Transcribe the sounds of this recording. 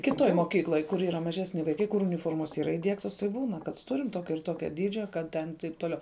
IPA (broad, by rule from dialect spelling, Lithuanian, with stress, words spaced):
kʲɪˈtoːj moːˈkʲiːklˠoːj kʊr iːˈrɐ mɐˈʒʲæːsʲnʲɪ ʋɐɪˈkɐɪ kʊr ʊnʲɪˈfoːrmoːs iːˈrɐ iːˈdʲiɛktoːs tɐɪ ˈbuːnɐ kɐt ˈtʊrʲɪm ˈtoːkʲɛ ɪr ˈtoːkʲɛ ˈdʲiːd͡ʒʲɛ ˈkɐt tʲɛn tɐɪp toːˈlʲɛʊ